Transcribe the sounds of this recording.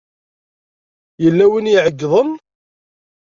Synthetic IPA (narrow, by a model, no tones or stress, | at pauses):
jəlːæwinjiʕəɡːðˤən